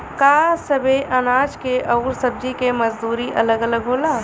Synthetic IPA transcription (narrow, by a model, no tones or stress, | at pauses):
kaːsɐbeʔɐnaːd͡ʒkeʔɐʊɾsɐb̚d͡ʒikemɐd͡ʒd̪uːɾiʔɐləɡələɡɦoːlaː